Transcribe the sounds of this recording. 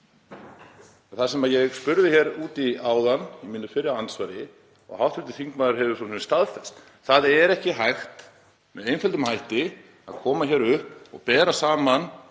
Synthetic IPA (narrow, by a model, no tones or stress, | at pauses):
ɛnθasɛmaðjɛɣspʏɾðɪçɛɾuːt̪iaːwðanimɪnːʏfɪɾɪawansvaɾɪ | ɔ̰ɣawht̪vʏɾt̪ɪθiŋkmaðʏɾ̥ɦɛvʏsɔsnst̪aðfɛst̪ | θaðɛɾɛhcɪɦajxt̪ | mɛðejnfɛlt̪ʏmhajht̪ɪ | a̰ðkʰɔːmaçɛɾʏhpɔ̰ɣpɛːɾasaːman